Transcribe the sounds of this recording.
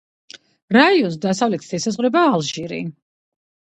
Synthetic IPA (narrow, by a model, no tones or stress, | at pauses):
ɾaiɔns̬d̪asavlɛt̪ʰd̪ɛsazʁvɾɛbaːlˠʒiɾḭ